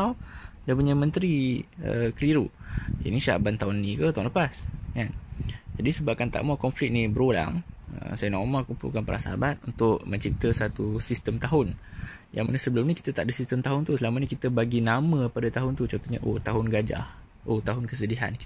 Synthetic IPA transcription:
awdanpuɲamə̃nt̪ɾiə̰kəliɾua̰nisaʔbant̪aɦʊnːĩkət̪aləpaskand͡ʒadisəbap̚kant̪a̰ʔmakɔnflɪk̚nibəɾola̰ŋə̰msajənɔmakumpṵlkanpəɾʔa̰sa̰a̰bat̪̚unt̪ʊʔ̚məɲt͡ʃip̚t̪əsat̪usist̪əmt̪aɦʊn | ja̰ŋmə̰nəsəbəlʊmnĩkit̪ət̪aʔdəsist̪əmt̪aɦʊnt̪usəlamənəkit̪əbaɡinamə̃padat̪aɦʊnt̪ut͡ʃɔ̃nt̪ɔʔɲə̰ʔo̰t̪aɦʊnɡad͡ʒa̰h | ʔot̪aɦʊnkəsədiɦa̰nk

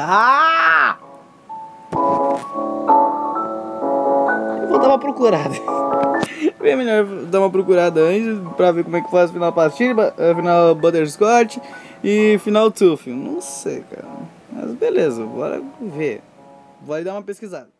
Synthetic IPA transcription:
a | ewvod̪aũmɐpɾokuɾad̪ɐ | vẽjɐmeʎɔɾd̪aũmɐpɾokuɾad̪ɐɐ̃t͡ʃɪspɾɐveɾkõmuɛkɪ̥fazʊfinawpaɾt͡ʃid̪bafinawbɐt̪eɾskɔɾt͡ʃɪɪfinawt̪ufinɐ̰̃w̃sḛjka̰ɾɐ̰ | mɐ̰zbelezɐvo̰la̰ve | volɪd̪ãmɐpeskizad̪ɐ

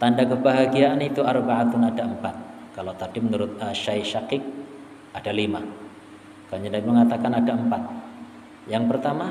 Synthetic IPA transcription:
t̪andakəbaɦaɡiaʔːnit̪uarbaat̪unadaəmpat̪̚ | kalot̪adimənuɾʊt̪̚əʃajʃakɪk̚ | adalima | kaɲadaiməŋat̪akanadaəmpat̪̚ | jaŋpərt̪ama

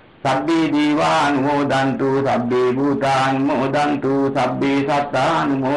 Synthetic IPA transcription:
sabiːd̪iːwaːnumod̪ant̪usabːibʱut̪aːnmod̪ant̪usabːiːsat̪ːanumo

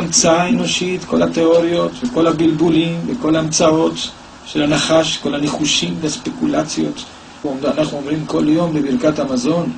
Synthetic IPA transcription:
amt͡saaeno̞ʃitko̞̰lateo̞ʁjo̞t̪veko̞labilbulimveko̞laamt͡sao̞t̪ | ʃelanaχaʃko̞laneχuʃimveaspekulat͡sjo̞̰t | omanaχnuomʁimko̞ljo̞mlebiʁkathamazo̞n

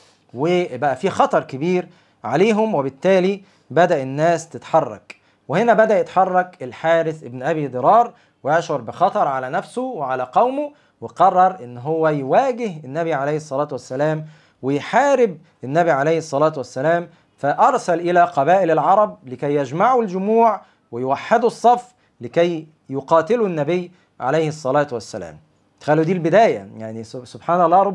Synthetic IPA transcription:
webæʔæfiːxɑt̪ˤɑɾˤkɪbiːɾ | ʕaleːɦʊmwebɪt̪ːæːli | bæd̪æʔenːæːst̪et̪ħɑrˤːɑ̰k | wehenæbæd̪æʔjet̪ħɑrˤːɑkelħaːɾɪθʔebnʔæβid̪ˤɨɾˤɑːɾˤ | wejɑʃʕoɾˤbɪxɑt̪ˤɑɾˤʕalænæfsoweʕalæqɑwmo | weqɑrˤːɑɾˤʔɪnːɦowːæjwæːɡɪɦenːæβiʕalæjhesˤːɑlæːt̪wæsːælæːm | wɪjħaːɾɪb | ʔɪnːæbiʕalejhesˤːɑlɑːt̪wæsːælæːm | fæʔɑɾˤsælʔɪlæqɑbæːʔɪlelʕɑɾˤɑb̚lɪkæjːæd͡ʒmaʕuld͡ʒʊmuːʕ | wɪjwaħːed̪usˤːɑf | lɪkæj | joqɑːt̪ɪlunːæbɪjː | ʕa̰lejhsˤːɑlɑːt̪wæsːælæ̰ːm | t̪xælːuːd̪iːlbɪd̪æːjæ̰jaʕnisobħaːnælˤːɑːɾˤɑ

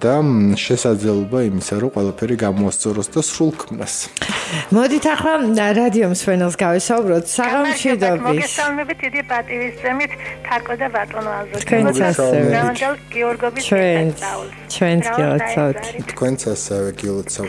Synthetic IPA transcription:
d̪̥aʃɛsad̪zlɛlˠɔbaimisaɾɔqʼwɛlˠapʰɛɾiɡamɔast̪sʼɔɾɔsd̪asɾulˠkʰmna̰s | mɔd̪it̪ʰaχlˠaɾad̪iɔmsmɛnɛlˠsɡavɛsaubɾɔt̪ʰsaʁamʃwid̪ɔbmiɛssalˠmɛbit̪̚ʰd̪id̪ipʼat̪ʼivisd̪zɛmit̪ʰt̪ʰaɾkʼɔd̪abat̪ʼɔnvalzɔt̪ʰkʰwɛnsʰaɛvɛɛvand̪ɛlˠɡiɔɾɡɔbit͡ʃʰɛaul | t͡ʃʰwɛnt̪sɡilˠɔ̰t̪sʰavt̪ʰt̪ʰkʰwɛnt̪sʰasɛvɛɡilˠɔt̪sʰa

